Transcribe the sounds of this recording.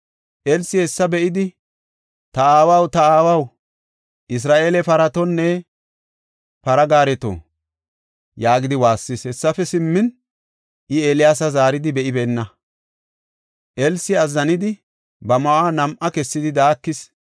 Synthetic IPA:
ʔɛlsɪhɛsːɐbɛʔɪd̪ɪ | t̪ɐaːwɐwt̪ɐaːwɐw | ʔɪs̬ɾaːʔe̞ːlɛpɐɾɐt̪ɔnːɛ | pɐɾɐɡaːɾɛt̪o̰ | jaːɡɪd̪ɪwaːsːɪshɛsːɐfɛsɪmːɪn | ʔɪeːlɪjaːs̬ɐzaːɾɪd̪ɪbɛʔɪbeːnːɐ | ʔɛlsɪɐzːɐnɪd̪ɪ | bɐmɐwaːnɐmʔɐkɛsːɪd̪ɪd̪aːkːɪs

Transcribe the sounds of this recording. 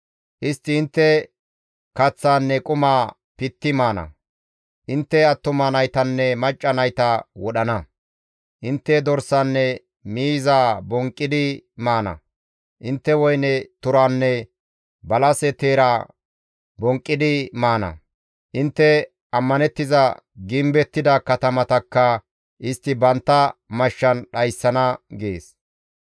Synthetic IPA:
ʔɪst̪ːɪːnt̪ːɛ | kɐt͡sːaːnːɛkʼʊmaː | pɪt̪ːɪmaːnɐ̰ | ʔɪnt̪ːɛɐt̪ːʊmɐnɐjt̪ɐnːɛmɐt͡ʃʼːɐnɐjt̪ɐwɔɗɐnɐ | ʔɪnt̪ːɛd̪ɔɾsanːɛ | miːzaːbɔŋkʼːɪd̪ɪmaːnɐ̰ | ʔɪnt̪ːɛwɔjnɛt̪ʊɾanːɛ | bɐlɐsɛt̪eːɾaː | bɔŋkʼːɪd̪ɪmaːnɐ̰ | ʔɪnt̪ːɛ | ɐmːɐnɛt̪ːɪzɐɡɪmbɛt̪ːɪd̪ɐkɐt̪ɐmɐt̪ɐkːɐ | ʔɪst̪ːɪbɐnt̪ːɐmɐʃːɐnɗɐjsːɐnɐɡeːs

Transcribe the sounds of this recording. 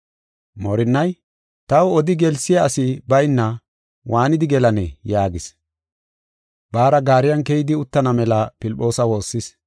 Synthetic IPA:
mɔɾɪnːɐj | t̪ɐwɔd̪ɪɡɛlsɪjɐːsɪbɐjnːɐ | wʔaːnɪd̪ɪɡɛlɐnɛjaːɡɪs | baːɾɐɡaːɾɪjɐnkɛjɪd̪ɪʊt̪ːɐnɐmɛlɐpɪlpʼːo̞ːsɐwo̞ːsːɪs

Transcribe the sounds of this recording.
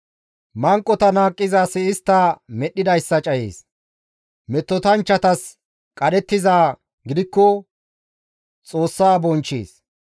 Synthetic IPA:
mɐŋkʼːɔt̪ɐnaːkʼːɪzaːsɪɪst̪ːɐmɛɗːɪd̪ɐjsːɐt͡ʃʼɐjḛːs | mɛt̪ːɔt̪ɐnt͡ʃːɐt̪ɐs | kʼɐɗɛt̪ːɪzaː | ɡɪd̪ɪkːɔ | t͡sʼoːsːaːbɔnt͡ʃːḛːs

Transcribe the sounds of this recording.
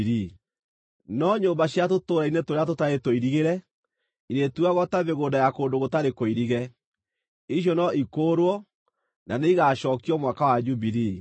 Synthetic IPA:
ɾi | nɔɲoːmbaɕjat̬otoɾainetoɾeatotaetoiɾiɣeɾɛ | iɾetuaɣɔtaβeɣoːndajakoːndoɣotaɾekoiɾiɣɛ | iɕ̬jɔnɔikoːɾwɔ | naneiɣaʃɔːkiɔmwakawad͡ʒuβiɾi

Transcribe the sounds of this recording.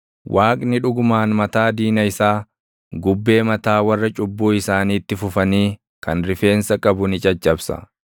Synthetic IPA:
wʔaːkʼnɪᶑʊɡʊmaːnmɐt̪aːd̪iːnɐɪsaː | ɡʊbːe̞ːmɐt̪aːwɐrːɐt͡ʃʼʊbːuːɪsaːniːt̪ːɪfʊfɐniː | kʰɐnɾɪfe̞ːnsɐkʼɐbʊnɪt͡ʃʼɐt͡ʃʼːɐbsɐ̰

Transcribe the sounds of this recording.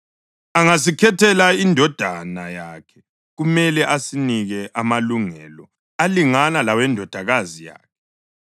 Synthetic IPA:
aŋas̬ikʰɛtʰɛlaindʱɔd̥ʱanajakʰɛ̥ | ɣumɛlɛʔasiniɣɛʔamaluŋɛlɔ | aliŋanalawɛndʱɔd̥ʱaɣazija̰ːkʰɛ̥

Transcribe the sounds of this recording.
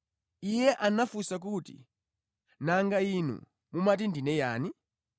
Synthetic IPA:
ijɛʔanafusak̬utḭ | naŋɡainṵ | mumat̬indinɛja̰ːni

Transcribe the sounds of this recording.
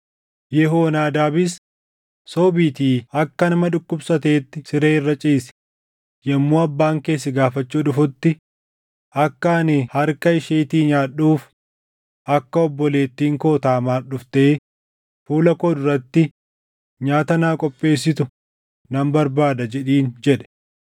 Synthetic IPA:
jɛɦoːnaːd̪aːbɪs | soːbiːt̪iːɐkːɐnɐmɐᶑʊkːʊbsɐt̪e̞ːt̪ːɪsɪɾeːɪrːɐt͡ʃʼiːsɪ̥ | jɛmːuːɐbːaːŋke̞ːs̬ːɪɡaːfɐt͡ʃːuːᶑʊfʊt̪ːɪ | ʔɐkːaːnɪhɐɾkɐɪʃeːt̪iːɲaːɗːuːf | ɐkːɐɔbːɔle̞ːt̪ːiːŋkoːt̪aːmaːɗʊft̪eː | fuːlɐkɔːd̪ʊɾɐt̪ːɪ | ɲaːt̪ɐnaːkʼɔpʼːe̞ːs̬ːɪt̪ʊ | nɐmbɐɾbaːd̪ɐd͡ʒɛᶑiːnd͡ʒɛᶑɛ̥

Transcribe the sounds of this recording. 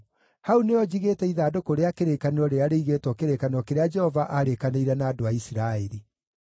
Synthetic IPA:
hauneɔd͡ʑiɣeːtɛiðaːdokoɾeakeɾekaneɾɔɾeaɾeiɣeːtwɔkeɾekaneɔkeɾead͡ʒɛhɔvaʔaɾekaneiɾɛnaːdoaisiɾaeɾi

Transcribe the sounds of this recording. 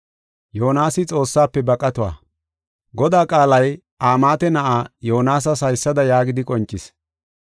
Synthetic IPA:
joːnaːsɪt͡sʼo̞ːsːaːpːɛbɐkʼːɐt̪ʊwa̰ː | ɡɔd̪aːkʼaːlɐj | ʔaːmaːt̪ɛnɐʔaːjoːnaːs̬ɐs̬ɐjsːɐd̪ɐjaːɡɪd̪ɪkʼɔnt͡ʃʼːɪs

